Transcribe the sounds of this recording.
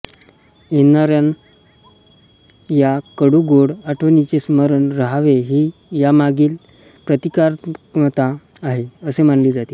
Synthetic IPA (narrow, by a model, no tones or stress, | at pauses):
enaɾjan | jakəɽuɡoɽaʈʰʋənit͡sesməɾənɾəɦaʋeɦiːjamaɡiːl | pɾət̪ikaɾət̪aː | ɦeəsemaɳliːd͡zat̪iː